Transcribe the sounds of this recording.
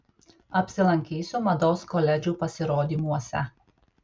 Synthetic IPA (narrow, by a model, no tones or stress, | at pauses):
ɐpʲsʲɪlˠɐŋʲkʲiːsʲumɐd̪oːskɔlʲɛd͡ʒʲuːpɐsʲɪɾoːd̪ʲiːmuɔsʲɛ̰